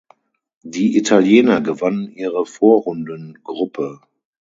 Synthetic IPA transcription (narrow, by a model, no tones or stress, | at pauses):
diːʔitʰaljɛːnɐɡəvanənʔiːʁəfoːɐhʊndənɡʁʊpʰə